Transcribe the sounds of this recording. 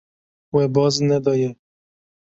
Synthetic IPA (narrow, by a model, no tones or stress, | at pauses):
wɛbɔznɛd̪ɔjɛ